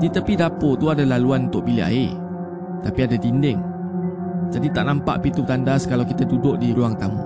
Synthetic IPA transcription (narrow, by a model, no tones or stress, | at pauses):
dit̪əpidapot̪uadalaluanunt̪ʊʔ̚bilia̰e | t̪apiadat̪indɪŋ | d͡ʒadit̪aʔnampa̰ʔpit̪ut̪andaskalawkit̪adudʊʔ̚diɾuaŋt̪amu